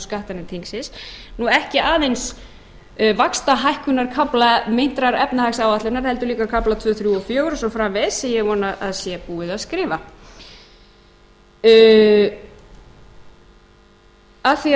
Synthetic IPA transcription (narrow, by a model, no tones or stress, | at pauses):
skaht̪anɪnt̪ʰiŋsɪsnuɛhcɪaːðejns | vakst̪aɦajhkʏnaɾ̥kʰaplamejn̥t̪ɾaɾɛpnahajksawaht̪lɪnaɾhɛl̪t̪ʏɾliːkakʰaplat̪ʰv̥œːθɾjuɔfjœːɣʏɾɔsɔfɾavɪðsɪjɛɣvɔːnaʔa̰ðsjɛpuːɪðaðskɾɪːva | aθi